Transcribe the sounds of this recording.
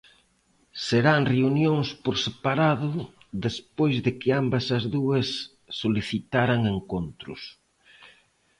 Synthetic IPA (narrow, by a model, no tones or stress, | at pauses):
seɾaŋreunjoŋspoɾsepaɾaðʊ | ðespojzðɪkɪambɐsɐzðuɐsː | oliθit̪aɾaŋeŋkont̪ɾʊ̰s